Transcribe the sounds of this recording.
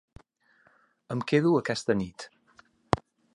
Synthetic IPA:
əmkeðuəkɛst̪ənit̪

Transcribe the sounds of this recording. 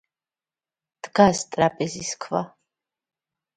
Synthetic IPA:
d̪̥ɡast̪ʼɾapʼɛziskʰva

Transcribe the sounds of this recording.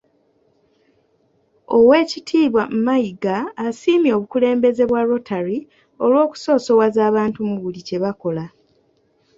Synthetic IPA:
o̞we̞ːcitʰiːβwamumaiɡaːsiːmjo̞ːβukule̞ːmbe̞ze̞βwaɾo̞tʰaɾi | o̞lwo̞ːku̥so̞ːso̞wazaːβaːntumuβulice̞βako̞la

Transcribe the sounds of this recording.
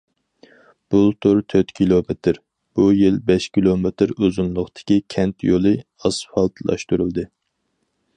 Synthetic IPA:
b̥ulˠt̪ʰuɾt̪ʰøt̪kʲʰilˠomet̪ʰɪɾ | b̥ujilbɛʃkʲʰilˠomet̪ɾøzunlˠʊχt̪ɪ̥kʲikʲʰɛnt̪ʰjolˠɨ | ɑsfɑlˠt̪ʰlˠɑ̰ʃt̪uɾɨlˠd̪ɨ

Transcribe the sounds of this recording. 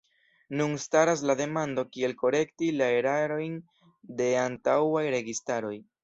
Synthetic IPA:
nunstaɾas̬lade̞mando̞kie̞lko̞ɾe̞ktilae̞ɾaɾo̞jn | de̞antawajɾe̞ɡistaɾo̞j

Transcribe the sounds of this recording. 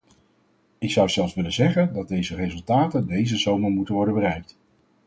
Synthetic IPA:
ɪksʌwz̥ɛlˠfsʋɪlənzɛχəndɑd̚dejzərezɵlˠtaːtəndejzəzowməɹmutənʋɔɹdəbərɛjk̚t

